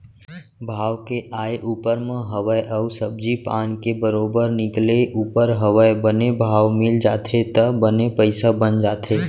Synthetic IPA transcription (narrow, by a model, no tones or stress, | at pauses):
bʱaːʋkeʔaːeʔuːpəɾmə̃ɦəʋəjʔəʊsəb̚d͡ʒipaːnkebəɾoːbəɾnɪkleʔuːpəɾɦəʋəjbənebʱaːʋmɪld͡ʒaːt̪ʰet̪əbənepəɪsabənd͡ʒaːt̪ʰeː